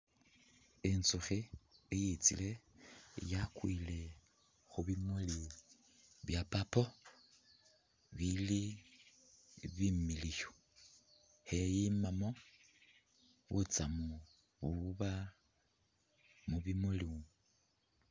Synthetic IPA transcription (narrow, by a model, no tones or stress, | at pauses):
ensuxiejit͡sḭle̞ | jakwile̞ | xuβimuli | βjapapo̞ | βili | βimiliço | hejimamo̞ | βut͡samu | βuβa | muβimuli